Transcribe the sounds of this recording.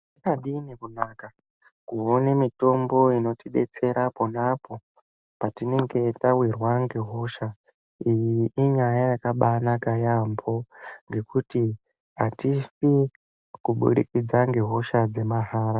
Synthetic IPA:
ikaɗinekunaːka | kuonemito̞mbo̞ino̞tiɓe̞̰t͡se̞ɾapo̞napo̞ | patine̞ŋɡe̞tawirwaŋɡe̞ɦo̞ʃa | ijiʔːɲajajakaɓanakajambʰo̞ŋɡe̞kuti | ɦatisi | kuɓṵɗḭkid͡zaŋɡe̞ɦo̞ʃad͡ze̞maɦaːɾa

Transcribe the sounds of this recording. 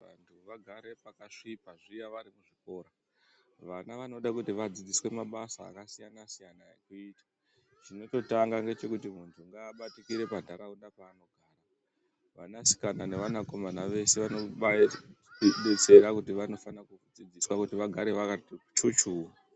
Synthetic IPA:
ʋa̰ntʰuʋaɡʱaɾe̞pakaʂipaʐijaʋaɾimuʐiko̞ːɾa | ʋanaʋano̞ɗakutiʋad͡zid͡ziswe̞maɓasa̰ːkasijanasijanajekuiːta | t͡ʃino̞to̞taŋɡaŋɡe̞t͡ʃe̞kutimuntʰuŋɡaːɓatikiɾe̞pandʱaɾaundapaːno̞ɡʱaːra | ʋa̰nasi̥kanane̞ʋanako̞manaʋe̞se̞ʋano | ɓet͡se̞ɾakutiʋano̞fanakud͡zid͡ziswakutiʋaɡʱaɾe̞ʋakat͡ʃut͡ʃuːwa

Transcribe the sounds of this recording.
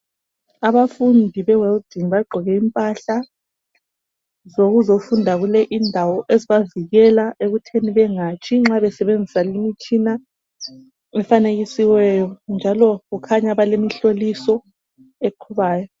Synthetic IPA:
aβafundʱiβɛwɛldiŋβaɡ͡ǃʱɔɣɛimpʼaɬa | zoɣuzofundʱaɣulɛʔindʱawɔʔeziβaviɣɛlaʔeɣutʰeniβɛŋat͡ʃʰʼiŋ͡ǁaβɛsɛβend͡zʱisalimit͡ʃʼina | ɛfaneɣisiwɛjɔnd͡ʒʱalɔɣukʰaɲaβalemiɬolisɔ | eǃʰuβaːjɔ

